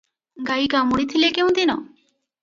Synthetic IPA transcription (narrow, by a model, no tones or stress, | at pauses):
ɡajkamuɽit̪ʰilekeũd̪inɔ̰